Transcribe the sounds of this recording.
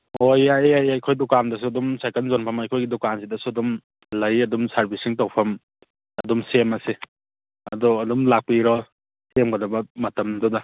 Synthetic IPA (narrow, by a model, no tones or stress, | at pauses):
ojaajajkʰojdukandɐsuɐdumsakɐnzonpʰɐmɐjkʰojɡidɔkansidɐsuɐdum | lɐjɐdumsaɾbisiŋtawpʰɐm | ɐdumsemɐse | ɐdɔɐdumlak̚piɾɔ | semɡɐdɐbɐmɐtɐmdɔdɐ